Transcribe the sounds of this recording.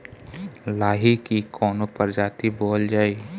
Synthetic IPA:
laːɦikikʰɔːnopɐɾd͡ʒaːt̪iboːld͡ʒaːi

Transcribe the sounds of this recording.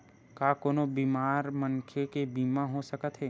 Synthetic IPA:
kaːkoːnobiːmaːɾməŋkʰekebiːmãɦosəkət̪ɦɛː

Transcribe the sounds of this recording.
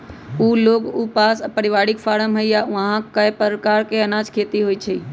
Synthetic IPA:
uːloːkupaːsəpəɾɪʋaːɽɪkfaːɽəmɦɐiaãɦãkɐepəɾkaːɾkeɐnãːd͡ʒkʰeːt̪iɦoit͡ʃʰɐiː

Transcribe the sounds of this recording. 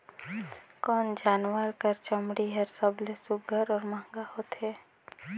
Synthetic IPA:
kɔːnd͡ʒaːnʋəɾkəɾt͡ʃəmɽiɦɛɾsəblesʊɡʱəɾɔːɾmãːŋɡahoːt̪ɦɛː

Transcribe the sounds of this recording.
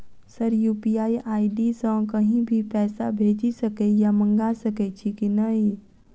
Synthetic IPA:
səɾjuːpiaːiʔaːiɖisə̃kɐɦĩbʱipɛːsa̰bʱeːd͡ʒisəkejamə̃ŋɡasəket͡ʃʰikinɐɦĩ

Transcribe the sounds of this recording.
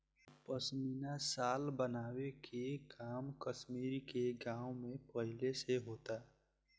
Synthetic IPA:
pəsmiːnasaːlbənaːwekʰekaːmkəʃmiːɾkeɡãːwmẽpəɦɪleseɦoːt̪aː

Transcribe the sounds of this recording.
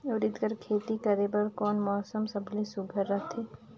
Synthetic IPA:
oːɾɪd̪kəɾkʰeːt̪ikɐɾebɐɾkɔːnmɔːsəmsɐbʱlesʊbʱəɾːɐt̪ʰeː

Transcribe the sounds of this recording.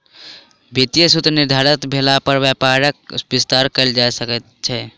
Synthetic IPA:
bit̪ijəsut̪ɾniɾd̪ʱaɾət̪bʱelapəɾbjapaɾək̚bist̪aɾkəld͡ʒasəkət̪̚t͡ʃʰɛ

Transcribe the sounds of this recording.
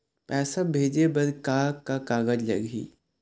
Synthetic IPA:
pɛːsabʱeːd͡ʒebɐɾkaːkːakaːɡəd͡ʒlɐ̰ɡɦḭː

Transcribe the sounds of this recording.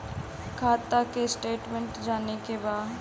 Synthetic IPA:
kʰaːt̪akesʈeːʈmẽɳʈd͡ʒaːnekebaː

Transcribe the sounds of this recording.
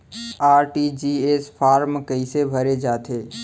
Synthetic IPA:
aɾʈid͡ʒiespʰaːɾmkəɪsebʱəɾed͡ʒaːt̪ʰe

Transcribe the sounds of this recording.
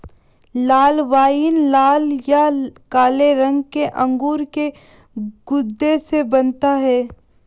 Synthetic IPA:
laːlʋaːinlaːljakaːleɾə̃ŋɡkeʔɐ̃ŋɡuːɾke | ɡ̥ʊd̪ːesebɐnt̪aɦɛː

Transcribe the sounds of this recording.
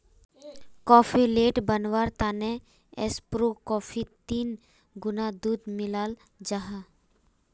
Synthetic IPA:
kɔːfʰileːʈbənwaːɾt̪aːne | ḛspɾokɔːpʰit̪iːn | ɡʊnad̪uːd̪mɪlaːl | d͡ʒaɦa

